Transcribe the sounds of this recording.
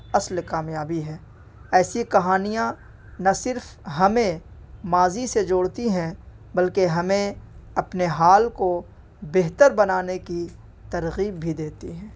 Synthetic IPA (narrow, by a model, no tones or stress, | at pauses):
ɐslkaːmjaːbiɦɛː | ɛːsikɐɦaːnijã | nɐsɪɾfɦɐmẽmaːzised͡ʒoːɽt̪iɦɛ̃ | bɐlkeɦɐmẽɐpneɦaːlko | beɦt̪əɾbɐnaːneki | t̪ɐɾɣiːbʱːid̪eːt̪iɦɛ̃ː